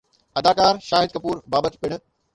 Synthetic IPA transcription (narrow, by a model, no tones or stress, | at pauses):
ɐd̪aːkaːɾʃaːɦɪd̪̚kɐpuːɾbaːbət̪pɪɽ̃ʊ̆